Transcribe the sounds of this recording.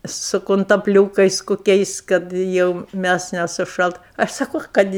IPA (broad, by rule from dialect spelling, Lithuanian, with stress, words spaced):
sʊ kʊntɐpʲˈlʲuːkɐɪs koːˈkʲɛɪs kɐt ˈjɛʊ ˈmʲæs nʲɛsʊˈʃɐlˠt ˈɐʃ sɐˈkoː ˈkɐt ɪ